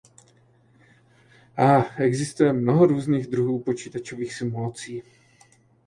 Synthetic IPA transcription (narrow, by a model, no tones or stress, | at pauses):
ʔaːʔɛɡzɪst̪ujɛmnoɦoɾuːzniːɣd̪ɾuɦuːpo̞t͡ʃiːt̪at͡ʃo̞viːxsɪmulat͡siː